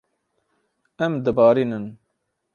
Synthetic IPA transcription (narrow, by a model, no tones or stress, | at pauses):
ɛmd̪əbɑːɾiːnən